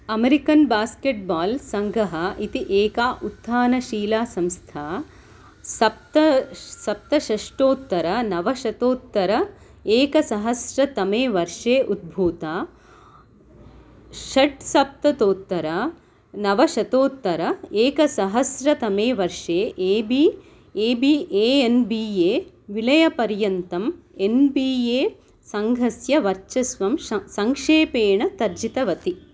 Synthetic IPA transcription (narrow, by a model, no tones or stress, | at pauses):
ɐmeɾikɐnbaːskeʈ̚baːlsɐŋɡɐɦɐʔit̪iʔeːkaːʔut̪ːaːnɐʃiːlaːsɐmst̪ʰaː | sɐp̚t̪ɐsɐp̚t̪ɐʃɐʂʈoːt̪ːɐɾɐnɐʋɐʃɐt̪oːt̪ːɐɾɐ | eːkɐsɐɦɐsɾɐt̪ɐmeːʋɐɾʂeːʔud̪̚bʱuːt̪aː | ʃɐʈsɐp̚t̪ɐt̪oːt̪ːɐɾa | nɐʋɐʃɐt̪oːt̪ːɐɾɐeːkɐsɐɦɐsɾɐt̪ɐmeːʋɐɾʂeːʔeːbi | eːbiːʔeːenbiːeː | ʋilɐjɐpɐɾjɐnt̪ɐmenbiːjeː | sɐŋɡʱɐsjɐʋɐɾt͡ʃɐsʋɐmɐsɐŋkʂeːpeːɳɐt̪ɐɾd͡ʒit̪ɐʋɐt̪i